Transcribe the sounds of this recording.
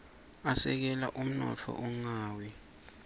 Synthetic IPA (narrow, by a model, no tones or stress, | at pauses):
asɛk̬ɛlaʔum̩nɔt͡fʰɔ̰ʔuŋaːwɛ